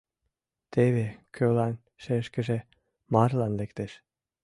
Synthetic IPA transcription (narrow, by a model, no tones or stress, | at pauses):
t̪ʰeβekʰølɑn | ʃeʃkə̆ʒe | mɑrlɑnlekt̪eʃ